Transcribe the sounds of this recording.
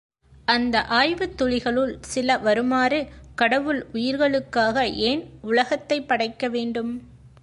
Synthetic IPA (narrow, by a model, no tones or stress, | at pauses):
ʔɐnd̪ɐʔaːjʋɯt̪ːɔɭɪɣɐɭɯɭsɪlɐʋɐɾɯmaːɾɯkɐɽɐʋɯlʊjɪɾɣɐɭɯkːaːɣɐʔeːnʊlɐɣɐt̪ːɐɪpːɐɽɐɪkːɐʋeːɳɖɯm